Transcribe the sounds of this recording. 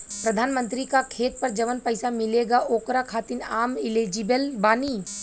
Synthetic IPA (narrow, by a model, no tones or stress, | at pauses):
pɾɐd̪ʱaːnmə̃nt̪ɾikakʰeːt̪̚pɐɾd͡ʒɐʋənpəɪsamɪleːɡaʔoːkɾakʰaːt̪ɪnaːmɪled͡ʒɪbəlbaːniː